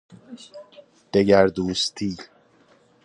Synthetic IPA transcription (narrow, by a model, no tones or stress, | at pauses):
d̪̥eɟæɾd̪uːst̪ʰiː